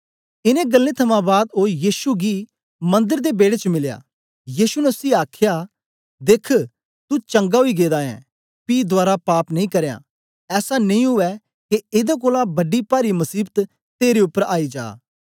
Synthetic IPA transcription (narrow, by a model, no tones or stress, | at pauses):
ɪnẽɡɐlːẽt̪ʰɐmãbaːd̪ɦoːjiːʃuɡi | mɐ̃nd̪əɾd̪ebeːɽet͡ʃəmɪlja̰ː | jiːsunəsiːaːkʰja | d̪eːkʰ | t̪ut͡ʃɐ̃ŋɡaɦoiɡeːd̪aːɛ̰̃ | piːd̪ʊaːɾapaːpnɐĩkɐɾejã̰ː | ɛːsanɐĩɦʊʋɛ | keɪd̪ak̬oːlãbɐɖipaːɾimɐsiːbt̪ | t̪eːɾeʊpːəɾaːid͡ʒa̰ː